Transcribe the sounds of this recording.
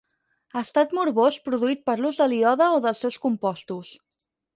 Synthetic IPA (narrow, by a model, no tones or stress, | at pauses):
əst̪at̪muɾβospɾuðuit̪̚pəɾluzðəliɔðəoðəlˠsːɛwskumpɔst̪us